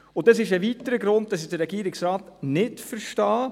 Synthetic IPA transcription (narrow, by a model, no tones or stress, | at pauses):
ʊntdɑsɪʃɛʋiːtəɾəɡɾʊnd̚dɑsɪd̥əɾɛɡiːɾɪksɾɑːtnɪtfəɾʃtɑː